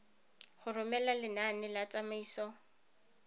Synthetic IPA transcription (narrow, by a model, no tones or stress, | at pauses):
χʊrʊmɛlalɪnanɪlat͡sʼamaiːsɔ